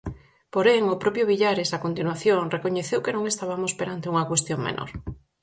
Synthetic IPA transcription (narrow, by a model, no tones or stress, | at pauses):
poɾeŋopɾɔpjoβ̞iʎaɾesakont̪inwaθjoŋrekoɲeθewkenõŋest̪aβamospeɾant̪euŋɐkwest̪joŋmḛnʔo̰ɾ